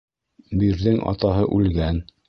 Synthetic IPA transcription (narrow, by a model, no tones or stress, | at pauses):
biɾðɘŋʔɑ̰t̪ɑɦɤʔʉlɡæn